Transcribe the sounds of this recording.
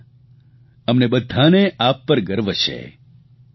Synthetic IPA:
əmnebəd̪ʱːaneʔaːpːəɾɡəɾʋət͡ʃʰḛ

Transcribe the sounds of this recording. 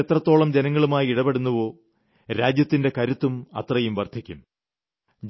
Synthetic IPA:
et̪rɐt̪ːo̞ːɭɐmd͡ʑenɐŋːɐɭumaːjiiɽɐbeɽunːuʋo̞ː | ɾaːd͡ʑjɐt̪ːinde̞kɐɾut̪ːumɐ̰t̪rɐjumʋɐrt̪ʰikʲːum | d͡ʑ

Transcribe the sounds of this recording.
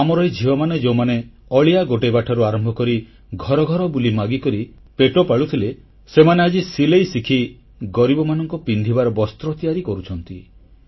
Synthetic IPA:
amɔɾɔjd͡ʒʱiɦɔmaned͡ʒewmane | ɔɭijaɡoʈebaʈʰɔɾuaɾɔmbʱɔkɔɾi | ɡʱɔɾɔɡʱɔɾɔbulimaɡikɔɾi | peʈopaɭut̪ʰile | semanead͡ʒisilejsikʰi | ɡɔɾibɔmanɔŋkɔpind̪ʱibaɾɔbɔst̪ɾɔt̪ijaɾikɔɾut͡ʃʰɔnt̪i

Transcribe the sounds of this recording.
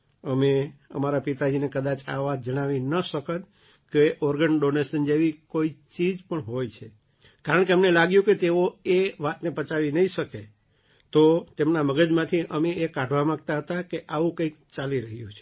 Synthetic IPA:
əmeə̰maɾapit̪ad͡ʒinekəd̪at͡ʃa̰ʋat̪̚d͡ʒəɽ̃aʋinəʃəkət̪ | keʔɔɾɡəɳɖonesənd͡ʒeʋikoit͡ʃid͡ʒpəɳɦojt͡ʃʰe | kaɾəɳ̃keəmnelaɡjũket̪eoeʋat̪nepət͡ʃaʋinəɦiʃəke | t̪ot̪emnaməɡəd͡ʒmãt̪ʰiʔəmeekãɖʱʋamãɡ̚t̪aɦət̪akeʔaʋũkə̃ɪkt͡ʃaliɾəɦjũt͡ʃʰe

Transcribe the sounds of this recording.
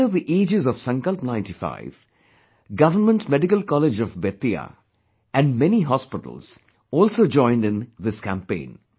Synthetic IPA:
əðiʔeːd͡ʒɪzɔʋ̥sʌ̃ŋkəlpnãɪ̃nʈifa̰ɪv | ɡʌʋənmə̃nʈmɛɖɪkəlkɔled͡ʒɔvbeːt̪ia̰ | æ̃ɳɖmɛniɦɔspɪʈə̰l̩z̥ | ɔːlsoːd͡ʒɔ̃ɪ̃nɖɪ̃nðɪskæ̃mpḛ̃ɪ̃n

